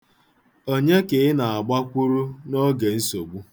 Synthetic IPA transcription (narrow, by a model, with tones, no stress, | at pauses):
o˦ɲe˦ke˨ɪ˦na˨a˨ɡ͡ba˦kʷu˦ɾu˦no˦ɡe˨n̩˦so˨ɡ͡bu˦